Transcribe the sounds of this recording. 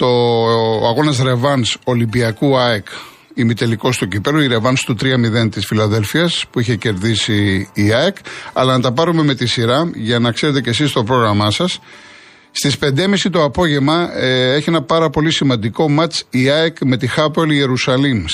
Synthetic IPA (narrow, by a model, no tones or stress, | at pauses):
t̪o̞ɐɣo̞nɐs̬ɾe̞vɐnso̞limbiɐkuɐek | imit̪e̞liko̞st̪ocipe̞loiɾe̞vɐnst̪ut̪ɾiɐmiðe̞nt̪isfilɐðe̞lfiɐspuiçe̞ce̞ɾðisiːɐekɐ̰lɐnɐt̪ɐpɐɾume̞me̞t̪isiɾɐʝɐnɐkseɾe̞t̪e̞ce̞sist̪o̞pɾo̞ɣɾɐmɐsɐs | st̪ispe̞nd̪emisit̪o̞ɐpo̞ʝe̞vmɐe̞çienɐpɐɾɐpo̞lisimɐ̃nd̪iko̞mɐt͡siɐekme̞t̪ixɐpelie̞ɾusɐlim